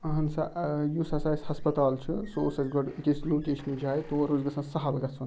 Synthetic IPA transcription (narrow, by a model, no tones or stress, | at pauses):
ɐɦɐnsɐʔjusɐsaːisʲhɐspɐt̪aːlt͡ʃʰɨsoːsɐzɡɐɽkʲesʲloːkʲeːʃɐnid͡ʒaːjt̪oːɾozɡɐsɐnsɐɦɐlɡɐsʰun